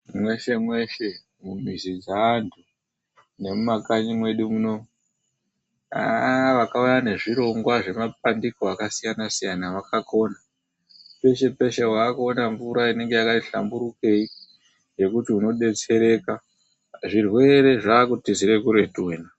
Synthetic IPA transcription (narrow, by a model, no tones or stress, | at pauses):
mwe̞ʃe̞mwe̞ʃe | mumizid͡zaːntʰu | ne̞mumakaɲimwe̞ɗumuno̞ | a̰ʋakaujane̞ʐiɾo̞ŋɡwaʐe̞map̚andikoakasijanasijanaʋakakʰo̞na | pe̞ʃe̞pe̞ʃeɦwaːkuonaɱvuɾaine̞ŋɡe̞jakatiɬa̰mbuɾuke̞i | d͡ʒe̞kutiuno̞ɗe̞t͡se̞ɾe̞ka | ʐirwe̞ɾe̞ʐaːkutiziɾe̞kuɾetuena